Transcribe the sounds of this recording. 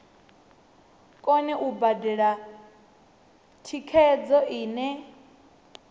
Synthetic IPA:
kʼɔnɛʔubadɛɺa | tʰikʰɛd͡zɔʔiːnɛ

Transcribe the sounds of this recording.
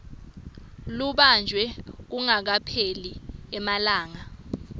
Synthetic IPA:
luɓand͡ʒʱwɛk̬uŋak̬apʰeliɛmalaːŋa

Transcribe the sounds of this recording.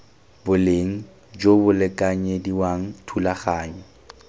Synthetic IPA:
bʊleŋ̩ | d͡ʒobʊlɛkʼaɲediwaŋ̩tʰulaχaːɲɔ

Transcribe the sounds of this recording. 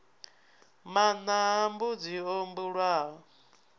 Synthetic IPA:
manaɦambud͡ziombuɺwaːɔ

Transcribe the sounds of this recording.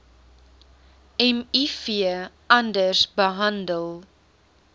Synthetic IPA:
ɛmifiə | ɐndərsbəɦɐndəlˠ

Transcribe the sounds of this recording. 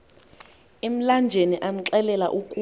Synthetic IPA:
em̩land͡ʒʱeniʔam̩ǁɛlɛla̰ʔukʼu

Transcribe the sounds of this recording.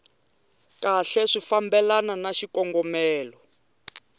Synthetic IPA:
kaɬɛʂifambɛlananaʃikɔŋɡɔmɛːlɔ

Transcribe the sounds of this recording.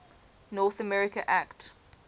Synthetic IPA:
nɔθəmɛɹɪkəʔakt

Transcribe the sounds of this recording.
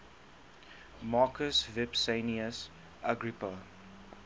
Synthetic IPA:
mɑːkʰəsvɪpsẽniəs | ʔaɡɹipa

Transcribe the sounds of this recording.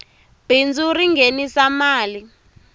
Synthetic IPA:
b̥ʱind͡zʱuɾiŋɡenisamaːli

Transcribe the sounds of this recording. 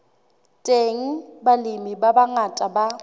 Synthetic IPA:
tʼeŋ̩balɪmibabaŋatʼaba

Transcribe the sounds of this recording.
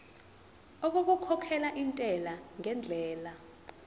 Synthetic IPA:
ok̬uk̬ukʰɔkʰɛlaʔintʼɛlaŋɛnd͡ɮʱɛːla

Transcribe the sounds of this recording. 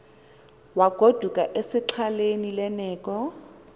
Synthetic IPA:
waɡ̥ʱod̥ʱukʼaʔesɪǁʰalenilɛnɛːkʼɔ

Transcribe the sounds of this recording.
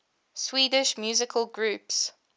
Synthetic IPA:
swiːdɪʃmjʉːzɪkʰəlˠɡɹʉːps

